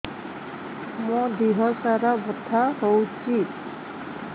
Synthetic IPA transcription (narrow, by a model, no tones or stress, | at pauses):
mɔdiɦɔɹsaɹabɔtʰahowt͡ʃʰi